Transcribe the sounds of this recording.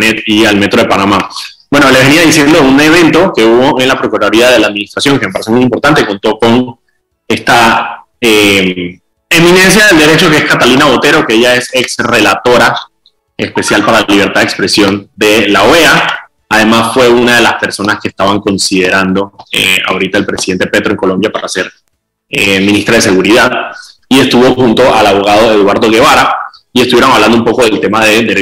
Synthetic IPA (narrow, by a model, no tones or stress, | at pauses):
net̪ialme̞t̪ɾo̞ð̞epanama | bwe̞no̞leβe̞niaðisje̞nd̪oune̞β̞ẽ̞nt̪o̞ke̞uβo̞ʔe̞nlapɾo̞kuɾaðoɾiaðelaːðminist̪ɾasjo̞ŋkeme̞paɾesemujimpoɾt̪ãnt̪e̞ko̞nt̪o̞ko̞n | e̞st̪a | em | eminẽ̞ns̬jaðe̞ld̪e̞ɾe̞t͡ʃo̞keeskat̪alinaβo̞t̪e̞ɾo̞ke̞eʝae̞seksre̞lat̪o̞ɾa | e̞spe̞sjalpaɾalaliβ̞e̞ɾt̪aðekspɾe̞sjo̞nd̪e̞laoea | aðe̞masfwe̞unaðe̞laspe̞ɾso̞naskeːst̪aβaŋko̞nsið̞eɾand̪o̞ḛa̰oɾit̪aðelpɾesiðe̞nt̪e̞pe̞t̪ɾoeŋko̞lo̞mbjapaɾase̞ɾ | emĩnist̪ɾað̞e̞se̞ɣuɾiðaðie̞st̪uβo̞xunt̪o̞ʔalaβo̞ɣað̞o̞e̞ðwaɾðo̞ɣe̞βaɾaiest̪uβjeɾoŋaβland̪oumpo̞ko̞ð̞e̞lt̪e̞maðe̞d̪e̞ɾe